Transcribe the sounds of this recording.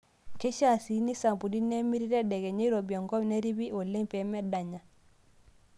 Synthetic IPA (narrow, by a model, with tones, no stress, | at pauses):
ke˦ʃa˦˨si˨ni˦sa˨mpu˨di˦ne˦mi˦ɾi˦ɾɛ˦dɛ˨ɡɛ˨ɲe˦ɾo˨bi˨ɔ˨ŋɡɔ˦m˨ne˦ɾi˦bi˦o˨le˦mpɛ˨mɛ˦da˨ɲa˨